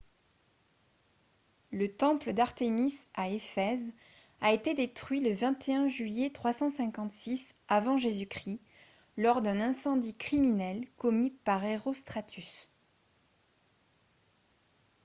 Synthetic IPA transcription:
lət̪ɑ̃pləd̪aʁt̪emisaefɛz | aet̪ed̪et̪χɥiləvɛ̃t̪ʰeɛ̃ʒɥijet̪χwasɑ̃sɛ̃kɑ̃t̪sisavɑ̃ʒezykχi | lɔʁd̪ɛ̃nɛ̃sɑ̃d̪ikχiminɛlkɔmipaʁeʁost̪χat̪ʰys

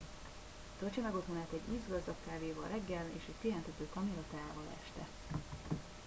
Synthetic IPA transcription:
t̪ølt͡ʃɛmɛɡot̪ʰonaːt̪ɛɟiːzɡɒzd̪ɒkkaːveːvɒlrɛɡːɛlḛːʃɛcʲpeɦɛnt̪ɛt̪øːt̪ɒmilɒt̪aːaːvɒlɛ̰ʃt̪ɛ̰

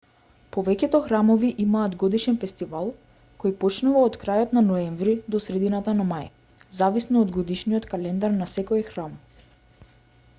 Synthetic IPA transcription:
pɔvɛcɛt̪ɔxɾamɔviʔimaːd̪ɡɔd̪iʃɛnfɛst̪ivalˠ | kɔjpɔt͡ʃnuvaot̪kɾajɔt̪nanɔɛɱvɾid̪ɔsɾɛd̪inat̪anamaj | zavisnɔːd̪ɡɔd̪iʃnijɔt̪kalɛnd̪aɾnasɛkojxɾam

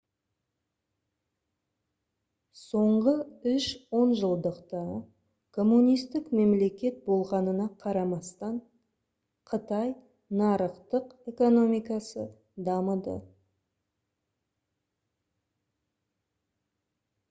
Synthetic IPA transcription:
so̞ɴʁəʏʃwo̞nʒəlˠd̪əqt̪ɑ | kʰo̞mːunijst̪ɪkme̞mle̞kʲe̞t̪̚bo̞lˠʁɑnənɑqʰɑɾɑmɑst̪ɑɴ | qʰət̪ɑj | nɑɾəqt̪əqe̞ko̞no̞mijkɑsə | d̪ɑməd̪ə̰

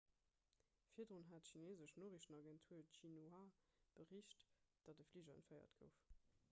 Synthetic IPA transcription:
fiːɐdʁunɦaːtʃineːzəʃnoːʁiʃənɑɡɛntʰuːɐʃinuab̥əʁiʃtd̥ɑtəfliʒəənfəɪɐ̰tɡ̥əʊf

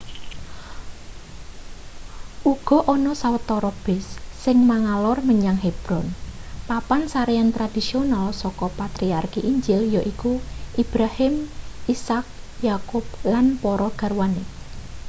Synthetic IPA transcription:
ʔuɡ̥ɔ̤ʔɔnɔsawət̪ɔɾɔb̥ɪsːɪŋmaŋalɔrməɲaŋheb̥ɾɔnpapansaɾejant̪ɾad̪̥i̤sionalsɔkɔpat̪ɾiarkiʔiɲd͡ʒɪljɔʔikuʔib̥ɾahɪmʔisak̚ | jakʊp̚lanpɔɾɔɡ̥a̤rwane

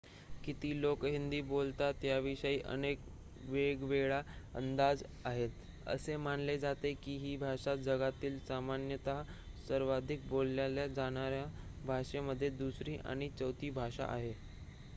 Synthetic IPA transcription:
kit̪iːlokɦind̪iːbolt̪at̪jaʋiɕəiːʔə̰nek | ʋeɡʋeɭaə̰nd̪ad͡zaɦet̪ | ə̰semaɳled͡zat̪ekiːɦiːbʱaʂat̪̚d͡zəɡat̪iːlsamanjət̪asəɾʋad̪ʱik̚bolːjaljad͡zaɽ̃aɾjabʱaʂeməd̪ʱːjed̪usɾiːʔa̰ɽ̃it͡səwt̪iːbʱaʂa̰ʔa̰ɦe

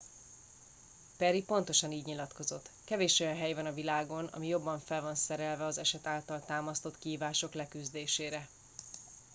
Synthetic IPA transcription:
pɛɾipo̞nt̪o̞ʃɒniːɟɲilɒt̪ko̞zo̞t̪ːkɛveːʃo̞jɒnɦɛjvɒnɒvilaːɡo̞nɒ̰mijo̞bːɒɱfɛlvɒnsɛɾɛlvɛɒzɛʃɛt̪aːlt̪ɒlt̪aːmɒst̪o̞t̪kiɦiːvaːʃo̞klɛkyzd̪eːʃeːɾɛ

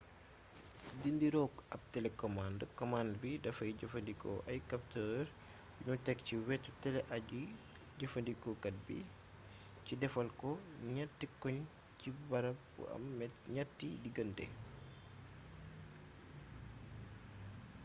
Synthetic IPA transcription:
dindiɾɔkɐp̚tɛlɛkɔmandəkɔmandbidɐfɐjɟɐfɐndikɔ̰ʔɐjkɐp̚təːɾ | uɲutɛkciwɛtːutɛlɛʔɐɟu | ɟɐfɐndikɔkɐt̚bḭ | cidɛfɐlkɔɲatːikɔɲ | cibɐɾɐpɐ̰mɛɲatːidiɡɐndɛ̰

